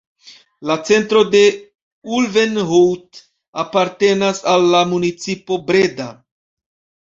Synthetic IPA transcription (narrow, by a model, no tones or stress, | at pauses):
lat͡se̞ntɾo̞de̞ | ulve̞nɦowt | apaɾte̞nasalːamunit͡sipo̞bɾe̞da